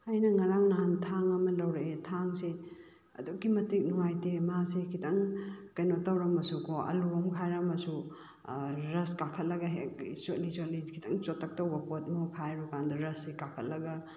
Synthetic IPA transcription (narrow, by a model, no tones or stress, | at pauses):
ajnɐŋɐɾaŋnaɦantʰaŋɐmɐlɐwɾeetʰaŋse | ɐ̰dukːimɐtik̚nuwajtemasekʰitɐŋkɐjnotɐwɾɐmɐsukʰɔɐ̰luɔmkʰajɾɐmɐsu | ɾɐskakʰɐt̚lɐɡɐɦek̚isolizolikʰitʰɐŋt͡ʃotʰːɐk̚tɐwbɐpot̚mukʰajɾukandɐɾɐsekakʰɐt̚lɐɡɐ